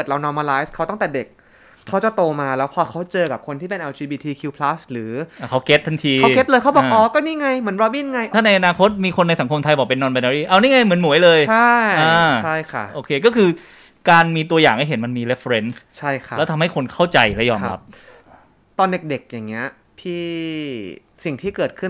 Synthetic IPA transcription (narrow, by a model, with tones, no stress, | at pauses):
ɤː˨˩t̪̚ɾa˧wnɔː˧˥maː˧laː˦˥jskʰa˦˥wt̪ɔ˥˩ŋt̪ɛː˨˩de˨˩k̚ʰː | a˦˥wt͡ɕa˨˩t̪oː˧maː˧lɛː˦˥wpʰɔː˧kʰa˦˥wt͡ɕɤː˧ka˨˩p̚kʰo˧nt̪iː˥˩pe˧nʔɛ˧wt͡ɕiː˧biː˧t̪ʰiː˧kʰi˧wpʰlaː˦˥sɾɯː˩˦a˨˩kʰa˦˥wke˦˥t̪̚t̪ʰːa˧nt̪ʰiː˧kke˦˥t̚lɤː˧jkʰa˦˥bɔː˨˧˩ʔɔː˨˧˩kɔː˥˩niː˥˩ŋa˧jmɯ˩˦nbɾɔ˧biː˥˩nŋa˧jʔ̪ʰaː˥˩na˧jʔa˧naː˧kʰo˦˥t̪̚miː˧kʰo˧nːa˧jsa˩˦ŋkʰo˧mt̪ʰa˧jbɔː˨˩pe˧nːɔː˧nba˧naː˧ɾiː˥˩ʔa˧wniː˥˩ŋa˧jmɯ˩˦nmu˩˦əjlɤː˧jʰa˥˩jʔaː˧t͡ɕʰa˥˩jkʰa˦˥˩ʔoː˧kʰeː˧kɔː˥˩kʰɯː˧ | kaː˧nmiː˧t̪u˧ɐjaː˨˩ŋha˥˩jɦe˩˦nma˧nmiː˧ɾe˦˥fɾe˦˥nst͡ɕʰa˥˩jkʰa˦˩ɛː˦˥t̪ʰa˧mha˥˩jkʰo˧nkʰa˥˩wt͡ɕa˧jlɛ˦˥wjɔː˧mɾa˦˥p̚ | t̪ɔː˧nde˨˩k̚de˨˩k̚jaː˨˩ŋːi˦˥ɐ | t̪ʰiː˥˩ | si˨˩ŋt̪ʰiː˥˩kɤː˨˩t̪̚kʰɯ˥˩n